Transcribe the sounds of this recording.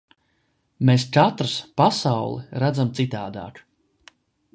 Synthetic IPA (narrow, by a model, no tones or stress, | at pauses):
mest͡ʃat̪ɾɨspasawlˠḭɾad̪zamt̪sit̪aːd̪a̰ːk